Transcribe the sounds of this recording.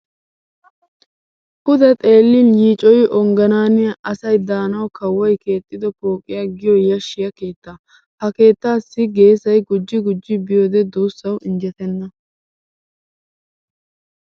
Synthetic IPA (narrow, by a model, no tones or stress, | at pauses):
kʊd̪ɛt̪ʼe̞ːlːɪnjiːt͡ʃʼɔjɪʔɔŋɡɐnaːnɪjɐʔɐsɐjd̪aːnɐwkɐwːɔjke̞ːt̪ʼːɪd̪ɔpoːkʼːɪjaɡɪjɔjɐʃːɪjɐke̞ːt̪ːɐ | hɐke̞ːt̪ːaːsːɪɡe̞ːsɐjɡʊd͡ʒːɪɡʊd͡ʒːɪbɪjoːd̪ɛd̪uːsːɐwʔɪnd͡ʒɛt̪ɛnːɐ